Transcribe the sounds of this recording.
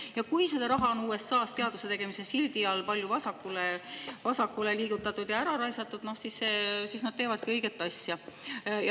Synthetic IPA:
jɑkujsed̪̥ɑɾɑɦɑo̞nuːe̞sːɑːst̪e̞ɑd̪use̞t̪e̞ɡ̥e̞mise̞silʲd̪iɑlpɑlʲjuvɑsɑkːˑulevɑsɑkːˑule̞liːɡ̥ut̪ːˑɑt̪ːˑud̪̥jɑæɾɑɾɑjsɑt̪ːˑud̪̥no̞hsisse̞ːsiːsnɑd̥̪̚t̪eːvɑd̪̥̚kɤjɡ̥e̞t̪ːˑɑsjɑj

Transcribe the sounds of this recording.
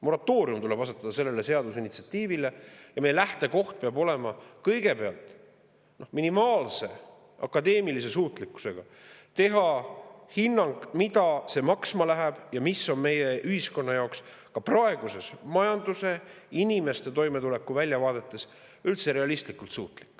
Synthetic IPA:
mo̞ɾɑt̪ːˑo̞ːɾiumt̪ule̞b̥ɑset̪ːˑɑd̪ɑse̞lːe̞le̞se̞ɑd̪usinit̪siɑt̪iːvile̞jɑmejelæht̪e̞ko̞ht̪̚peɑbo̞le̞mɑkɤ̞jɡe̞pe̞ɑlt̪ˑ | no̞minimɑːlse̞ | ɑ̰kːˑɑd̪e̞ːmilis̬e̞suːt̪likːˑu̥se̞ɡ̥ɑ | t̪e̞ɦɑhinːɑŋɡ̥mid̪̥ɑse̞mɑksmɑlæɦæb̥jɑmisːo̞nme̞jeʔyhisko̞nːɑjɑoks | kɑprɑe̞ɡ̥use̞smɑjɑnd̪use̞ | inime̞st̪e̞t̪o̞jmet̪ule̞kːˑuvælʲjɑvɑːd̪̥e̞t̪ˑːe̞s | ylt̪se̞ɾe̞ɑlist̪likːˑult̪suːt̪ˑlikːˑ

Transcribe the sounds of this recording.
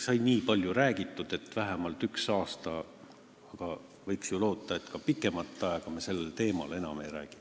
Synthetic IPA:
sɑjnʲiːpɑlʲjuɾæːɡ̥it̪ːˑud̪̥e̞t̪væɦemɑlt̪yksɑːst̪ɑ | ɑɡ̥ɑ | vɤjksjulo̞ːt̪ːˑɑe̞t̪kɑpikːˑe̞mɑt̪ːˑɑeɡ̥ɑmese̞lːelt̪e̞ːmɑ̰le̞nɑme̞jɾæ̰ːɡ̥i̥

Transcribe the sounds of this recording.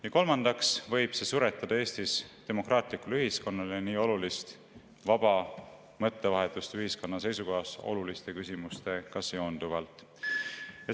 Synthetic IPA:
jɑko̞lmɑnd̪̥ɑksvɤ̞jb̥se̞suɾet̪ˑːɑd̪̥ɑeːst̪ist̪e̞mo̞krɑːt̪ˑlikːˑulyɦisko̞nːɑleniːo̞lulist̪ | vɑb̥ɑ | mɤ̞t̪ːe̞vɑɦe̞t̪ːˑust̪yɦisko̞nːɑse̞jsuko̞ɦɑso̞̰lulist̪e̞kysʲimust̪e̞kɑseond̪̥uvɑlt̪ˑ | jɑ

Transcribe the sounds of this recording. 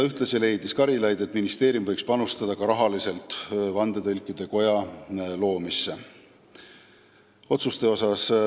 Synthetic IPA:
yht̪lɑsile̞jd̪iskɑɾilɑjd̪e̞t̪minist̪e̞ːɾijumvɤjkspɑnust̪ɑd̪̥ɑkɑɾɑɦɑlise̞lt̪ːˑvɑnd̪̥e̞t̪ɤlkːˑid̪̥e̞ko̞jɑlo̞ːmisːe | o̞t̪sust̪e̞o̞sɑs

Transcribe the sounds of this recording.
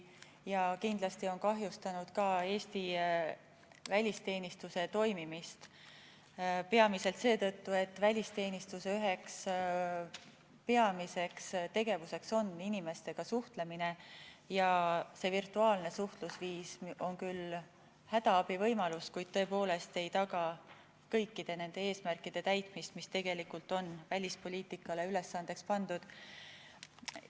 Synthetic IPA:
jɑkind̪lɑst̪io̞nkɑɦjust̪ɑnud̪̥kɑe̞ːst̪i | vælʲist̪e̞ːnist̪use̞t̪o̞jmimist̪ | pe̞ɑmise̞lt̪se̞ːt̪ɤ̞t̪ːue̞t̪ːvælʲist̪e̞ːnist̪useyɦe̞ks | pe̞ɑmise̞kst̪e̞ɡ̥e̞vuse̞kso̞nːinime̞st̪e̞ɡ̥ɑsuht̪le̞mine̞jɑse̞virt̪ːˑuɑːlne̞suht̪lusviːso̞nkyl | hæd̪̥ɑɑbivɤjmɑluskujd̪̥̚t̪ɤ̞epo̞ːle̞st̪e̞jt̪ɑɡɑ | kɤ̞jkːid̪̥e̞ne̞nd̪̥e̞e̞ːsmærkid̪̥e̞t̪æjt̪ˑmist̪mist̪e̞ɡ̥e̞likult̪o̞nvælʲispo̞lʲiːt̪ˑikːˑɑle̞yle̞sːɑnd̪̥e̞kspɑnd̪̥ud̪̥

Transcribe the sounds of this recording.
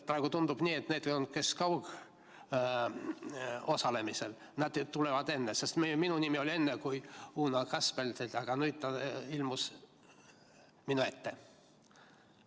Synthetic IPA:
pɾɑeɡut̪und̪ub̥niːet̪ːned̪̥ejonut̪̚ke̞skɑwk | o̞sɑle̞misel | næd̪̥t̪ːulevɑd̪̥e̞nːese̞st̪meminunimio̞lʲie̞nːekujuːnɑkɑspelʲselʲt̪ɑɡ̥ɑnujt̪ːɑilmus | minuet̪ːe

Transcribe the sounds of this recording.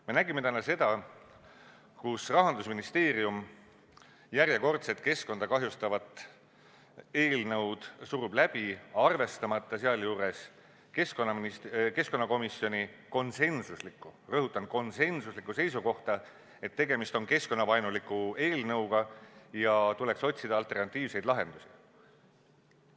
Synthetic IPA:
me̞næɡime̞t̪ænːɑse̞d̪̥ɑ | kusrɑɦɑnd̪̥usminist̪e̞ːɾium | jærjeko̞rt̪set̪̚ːke̞sko̞nd̪̥ɑkɑɦjust̪ɑvɑt̪ːˑ | e̞ːlnɤwd̪̥suɾub̥læb̥iɑrve̞st̪ɑmɑt̪ːˑɑseɑljuːɾe̞s | keskonːɑmniske̞sko̞nːɑko̞misːjo̞nʲiko̞nse̞nsuslikːˑurɤɦut̪ːˑɑnko̞nse̞nsuslikːˑuse̞jsuko̞ht̪ɑ | e̞t̪ːe̞ɡe̞mist̪o̞nke̞sko̞nːɑvɑjnulikːˑue̞ːlnɤwɡ̥ɑjɑt̪ule̞kso̞t̪ʲsid̪ɑɑlt̪ːˑe̞rnɑt̪ːˑiːvse̞jd̪̥lɑɦe̞nd̪̥usi̥

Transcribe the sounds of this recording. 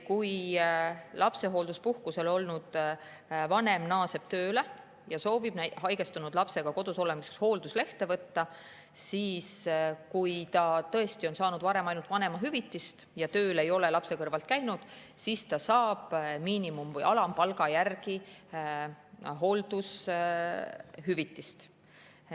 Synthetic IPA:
kuj | lʔɑpse̞ɦo̞ːld̪uspuhkuse̞lo̞lnud̪̥ | vɑne̞mnɑːse̞b̥t̪ø̞ːle | jɑso̞ːvib̥næhɑjɡ̥e̞st̪unud̪lɑpse̞ɡ̥ɑko̞d̪uso̞le̞miseksho̞ːld̪usle̞ht̪e̞vɤt̪ːɑ | siːskujt̪ɑt̪ɤe̞st̪io̞nsɑːnud̪vɑɾe̞mɑjnult̪vɑne̞mɑɦyvit̪ːˑist̪jɑt̪ø̞ːle̞jo̞le̞lɑpse̞kɤrvɑlt̪̚kæjnud̪̥sist̪ɑsɑːb̥miːnimumvɤjɑlɑmpɑlɡɑjærɡ̥i | ɦo̞ld̪us | ɦyvit̪ːist̪

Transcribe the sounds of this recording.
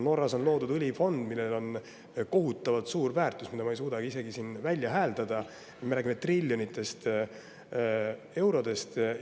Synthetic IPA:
no̞rːɑso̞nlo̞ːd̪ud̪ulʲifo̞nd̪̥milːelo̞n | ko̞ɦut̪ːˑɑvɑt̪suːrvæːrt̪ˑusmid̪ɑmɑejsuːd̪ɑɡ̥iise̞ɡisiːnvælʲjɑɦæːld̪ɑd̪̥ɑ | meɾæːɡimet̪rilʲːjo̞nit̪ːˑe̞st̪ | e̞wɾo̞d̪̥e̞st̪

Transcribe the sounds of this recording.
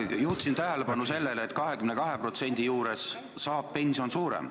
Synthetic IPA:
juht̪sint̪æɦe̞lepɑnuse̞lːe̞leet̪kɑɦe̞kymne̞kɑɦe̞pro̞t̪se̞nʲd̪̥ijuːɾe̞sː | ɑːppe̞nʲsio̞nsuːɾḛm

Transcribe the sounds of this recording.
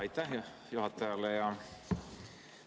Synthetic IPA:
it̪ːæ | juhɑt̪ːɑjɑlːejɑ

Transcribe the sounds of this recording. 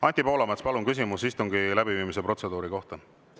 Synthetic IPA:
ɑnʲt̪ipo̞ːlɑmet̪spɑluŋkys̬imusist̪uŋɡ̥ilæbiviːmise̞pro̞t̪se̞d̪̥uːɾiko̞ht̪ɑ

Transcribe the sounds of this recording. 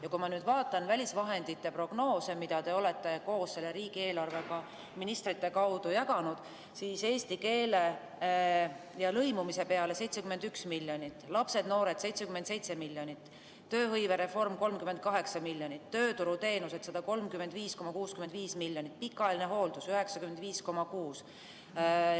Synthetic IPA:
jɑkumɑnyːd̪vɑːt̪ːˑɑnvælʲisvɑɦe̞nd̪̥it̪ːepro̞ɡ̥no̞ːsemid̪̥ɑd̪e̞o̞le̞t̪ːˑe̞ko̞ːsse̞lːe̞ɾiːɡ̥ie̞ːlɑrve̞kɑ | minist̪ɾit̪ːe̞kɑwd̪̥ujɑkɑnud̪̥ | siːse̞ːst̪ike̞ːle̞ | jɑlɤjmumise̞pe̞ɑle̞se̞jt̪sekymenyksmilʲjo̞nʲit̪ˑːlɑpse̞d̪no̞ːɾe̞d̪̥se̞jt̪sekymend̪se̞jt̪se̞milʲjonʲit̪ː | ø̞ːɦɤjve̞ɾe̞fo̞rmko̞lmkymend̪̚kɑɦe̞ksɑmilʲjonʲit̪ːø̞ːt̪uɾut̪e̞ːnuse̞t̪sɑd̪̥ɑko̞lmkymend̪viːsko̞mɑkuːskymend̪viːsmilːjonit̪̚ːˑpikːˑɑlineɦo̞ːld̪usyɦe̞ksɑkymend̪viːsko̞mɑkuːs

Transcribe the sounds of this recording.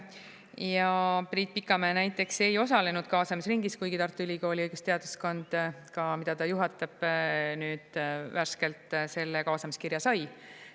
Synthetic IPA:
jɑpriːt̪̚pikːˑɑmeːnæjt̪ːˑe̞kse̞jo̞sɑle̞nud̪̥kɑːsɑmisriŋɡiskujɡ̥it̪ɑrt̪ːˑuylʲiko̞ːliɤjɡust̪e̞ɑd̪̥usko̞nd̪̥kɑmid̪̥ɑt̪ɑjuɦɑt̪ːˑɑb̥nyːd̪̥værske̞lt̪ˑse̞lːekɑːsɑmiskirjɑsɑj

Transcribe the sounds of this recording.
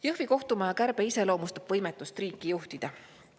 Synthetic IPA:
jɤhviko̞ht̪umɑjɑkæɾb̥e̞ise̞lo̞ːmust̪ɑb̥vɤjmɛt̪ːˑust̪riːkːˑijuht̪id̪̥ɑ

